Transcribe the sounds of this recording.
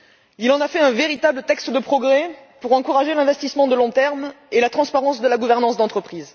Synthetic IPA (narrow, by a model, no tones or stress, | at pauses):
ilɑ̃nafɛɛ̃veʁit̪ablət̪ɛkst̪d̪əpχɔɡʁɛ | puʁɑ̃kuʁaʒelɛ̃vɛst̪ismɑ̃d̪əlɔ̃t̪ɛʁm | elat̪χɑ̃spaʁɑ̃sd̪əlaɡuvɛʁnɑ̃sd̪ɑ̃t̪χəpχiz